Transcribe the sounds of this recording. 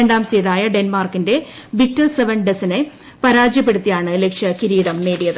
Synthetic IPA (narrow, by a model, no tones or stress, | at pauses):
eɳɖaːmsijuɽaːjɐɖenmaːrkinde̞ | ʋitːɐlseʋɐnɖesine̞ | pɐɾaːd͡ʑjɐpːe̞ɽut̪ːijaːɳɨle̞kʂjɐkiɾiːɽɐmne̞ːɽijɐðɨ